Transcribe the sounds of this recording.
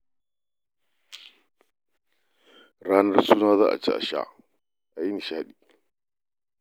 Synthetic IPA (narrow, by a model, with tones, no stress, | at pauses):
ɾaː˦nɐ˦rsuː˦naː˦za̰ː˦ʔa̰˨t͡ʃḛ˦ʔa̰˨ʃa̰˦ʔ | ʔa˨ji˦ni˨ʃaː˦ɗiː˦˨